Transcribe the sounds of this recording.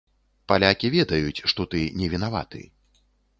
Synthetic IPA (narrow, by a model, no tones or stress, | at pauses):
palʲakʲivʲɛd̪ɐjut͡sʲʂt̪ɔt̪ɨnʲɛvʲinava̰t̪ɨ̰